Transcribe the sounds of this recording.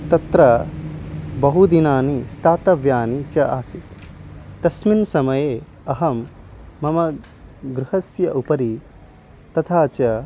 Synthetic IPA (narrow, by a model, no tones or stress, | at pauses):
t̪ɐt̪ɾɐ | bɐɦud̪inaːnist̪ʰaːt̪ɐʋjaːnit͡ʃɐʔaːsit̪t̪ɐsminsɐmɐjeː | ɐɦɐmː | ɐmɐ | ɡɾuhɐsjɐʔupɐɾi | t̪ɐt̪ʰaːt͡ʃɐ